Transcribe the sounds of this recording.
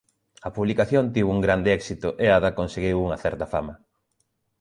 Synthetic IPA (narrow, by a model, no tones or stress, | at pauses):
ɐpuβlikaθjont̪iwuŋɡɾand̪ɪɛksit̪ʊʔeaðɐkonseɣiwuŋɐθɛɾt̪ɐfamɐ